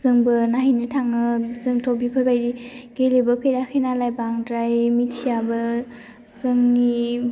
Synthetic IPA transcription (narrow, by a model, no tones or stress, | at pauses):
zɯŋbɯnaɦinɯtʰaŋɯzɯŋtʰɔwbipʰɯɾbajɾiɡ̥elebɯpʰeɾakʰɯjnalajbaŋdɾajmitʰijabɯ | zɯŋni